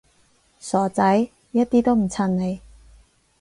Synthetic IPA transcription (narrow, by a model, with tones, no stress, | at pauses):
sɔː˨˥t͡sɐ˨˥j | jɐ˥t̚t̪iː˥t̪o˥wm̩˨˩t͡sʰɐ˧nne˨˧j